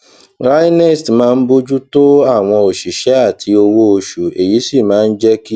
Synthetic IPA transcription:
ɾa˦ji˦nɛ˦˨stmãː˦˧n̩˦bo˦d͡ʒu˦to˦a˦˨w̃ɔ̃˧o˨ʃi˨ʃɛ˨˦a˦˨tʰi˧o˧wo˦o˧ʃu˨e˨ji˨˦si˦˨mãː˨˦˧n̩˦d͡ʒɛ˦ki˦

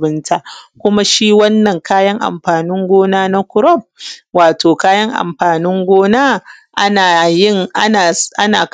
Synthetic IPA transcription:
bɪ˦ntʰa˦ʔkʷʊ˦ma˦ʃiː˦wɐ˦nːɐ˨ŋkaː˦jɐ˦ŋʔa̰˨mɸaː˨nɪ˦ŋɡʷoː˦naː˦na˦kʷʊ˦ɾɔ˦˨b̚waː˨toː˨kaː˦jɐ˦ŋʔa̰˨mɸaː˨nɪ˦ŋɡʷoː˦naː˦ | ʔa˦naː˨jɪ˦ŋʔa˦naː˨ʔa̰˦na̰ː˨k

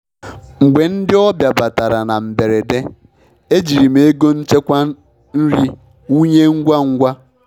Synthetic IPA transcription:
ŋ͡m̩˨ɡ͡be˨n̩˦dɪ˦ɔ˦bja˨ba˨ta˨ɾa˨na˨m̩˨be˨ɾe˨de˦ | e˦d͡ʒi˨ɾi˨me˨e˦ɡo˦n̩˦t͡ʃe˦kʷa˦ | n̩˦ɾi˦ | u˦ɲe˦ŋ̩˦ɡʷa˦ŋ̩˦ɡʷa˦

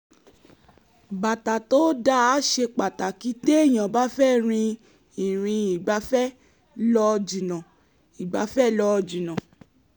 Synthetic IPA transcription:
ba˨ta˨to˦da˦a˦ʃe˧k͡pa˨ta˨ki˨˦te˦e˦˨j̃ã˨ba˨˦fɛ˦˨ɾ̃ĩ˧ | i˨ɾ̃ĩ˧i˨ɡ͡ba˨˦fɛ˦ | lɔ˧d͡ʒi˨nã˨ | i˨ɡ͡ba˨˦fɛ˦˨lɔ˧d͡ʒi˨nã˨

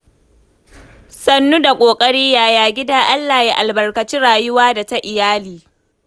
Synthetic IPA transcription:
sɐ˦nːu˦da˨kʷʼoː˨kʼɐ˦ɽiː˦jaː˨jaː˨ɡʲɪ˦daː˦ʔa˦lːaː˨ji˦ʔa˨lbɐ˨rkɐ˨t͡ʃi˦ɽaː˨jʊ˦waː˦da˨ta˦ʔɪ˨jaː˦liː˨

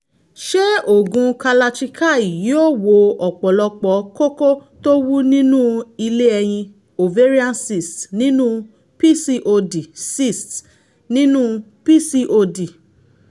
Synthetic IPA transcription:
ʃe˦o˦˨ɡũ˧ka˧la˧t͡ʃi˧kʰa˦˨i˨ji˨˦o˦˨wo˨˧ɔ˨k͡pɔ˨lɔ˧k͡pɔ˨˦ko˦ko˦to˦wu˦nĩ˦nũ˦i˧le˦ɛ˧j̃ĩ˧ | o˨ve˦ɾi˦ã˦nsi˦˨stnĩ˦nũ˦ | pi˦si˦ʔo˧di˨si˦˨st | nĩ˦nũ˦ | pi˦si˧˦ʔo˧di˨

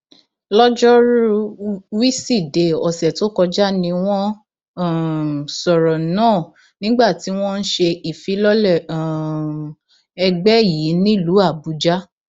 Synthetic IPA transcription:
lɔ˦d͡ʒɔ˦ɾu˦u˦wi˦si˦˨de˨ɔ˨sɛ˨to˦kɔ˧d͡ʒa˦nĩ˧w̃ɔ̃˦˨ | sɔ˨ɾɔ˨nãː˦˨ | nĩ˦ɡ͡ba˦˨ti˨˦w̃ɔ̃˦n̩˦ʃe˧i˨fi˨˦lɔ˦lɛ˦˨ | ɛ˧ɡ͡bɛ˦˨ji˨˦nĩ˦˨lu˨˦a˦˨bu˨˦d͡ʒa˦

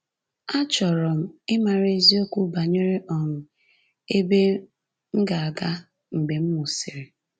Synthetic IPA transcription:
a˦t͡ʃɔ˨ɾɔ˨m̩˦ɪ˦ma˨ɾe˦zi˦o˦kʷu˦ba˨ɲe˦ɾɪ˦ʔɔ˨ŋʊ˨ | e˦be˦ | ŋ̩˦ɡa˨a˨ɡa˦ | ŋ͡m̩˨ɡ͡be˨m̩˦mʊ˨si˨ɾɪ˨

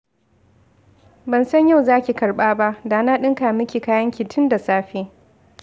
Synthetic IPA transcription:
bɐ˨nsɐ˦ɲja˦˨wzaː˦kʲi˨kɐ˨rɓaː˦ba˦ʔdaː˨naː˦ɗɪ˦ŋkaː˨mɪ˦kʲiː˨kaː˦jɐ˦ŋkʲɪ˨tʰʊ˦nda˨saː˦ɸeː˦

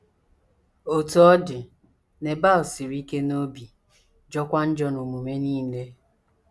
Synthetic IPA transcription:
o˨to˨˦ɔ˦dɪ˨ | ne˨ba˦˨lsi˨ɾi˦ke˦no˦bi˨ | d͡ʒɔ˦kʷa˦n̩˦d͡ʒɔ˦nu˨mu˨me˦niː˦˨le˦

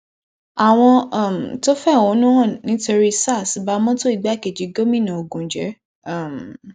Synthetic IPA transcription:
a˨w̃ɔ̃˧˦˨m̩˨to˦fɛ˦˨õ˨˦nũ˦ɔ̃˦˨nĩ˨˦to˧ɾi˦sa˦˨si˨˦ba˦mɔ̃˦to˦i˦˨ɡ͡ba˦˨ke˨d͡ʒi˨˦ɡo˦mĩ˦˨nã˨o˨ɡũ˨˦d͡ʒɛ̰˨˦˨ | m˨

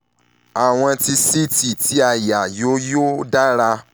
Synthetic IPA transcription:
a˨w̃ɔ̃˧ti˧si˦ti˨ti˨˦a˦˨ja˨jo˨˦jo˦da˦ɾa˧

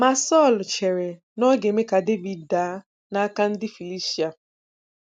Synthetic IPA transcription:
ma˨sɔ˦˨lt͡ʃe˨ɾe˨ | nɔ˦ɡe˨me˦ka˨de˦vi˨dda˨˦ | na˦a˦ka˦n̩˦dɪ˦fi˨li˦ʃi˦a˨

